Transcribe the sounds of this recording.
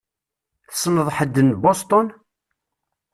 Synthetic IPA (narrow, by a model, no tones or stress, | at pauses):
θə̥snəðˤħəd̪ːənbost̪ˤon